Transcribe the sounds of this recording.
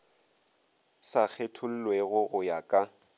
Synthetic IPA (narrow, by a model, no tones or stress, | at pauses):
sak͡xʰetʰʊl̩lweɣʊɣʊjakʼa